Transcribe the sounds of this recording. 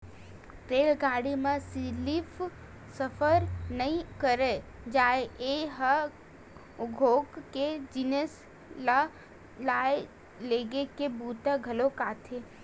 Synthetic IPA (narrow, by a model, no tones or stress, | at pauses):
ʈeːlɡaːɽimẽsilipʰ | səpʰəɾnəɦĩkəɾe | d͡ʒaːeeɦə | ɡʱoːkked͡ʒinəs | la | laːe | leːɡekebuːt̪aɡʱəlokaːt̪ʰe